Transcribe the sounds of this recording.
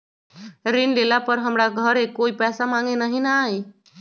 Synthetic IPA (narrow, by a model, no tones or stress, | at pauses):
ɾinlelapəɾɦəmɽaɡʱəɾekoipɛsamaŋɡenaɦinaj